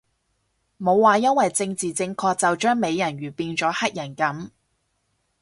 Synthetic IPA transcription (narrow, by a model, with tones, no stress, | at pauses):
mo˨˧wːaː˨jɐ˥nwɐ˨jt͡sɪ˧ŋt͡siː˨t͡sɪ˧ŋkʰɔː˧k̚t͡sɐ˨wt͡ʃœː˥ŋme˨˧jjɐ˨˩nɥyː˨˩piː˧nt͡sɔː˨˥hɐ˥t̚jɐ˨˩nkɐ˨˥m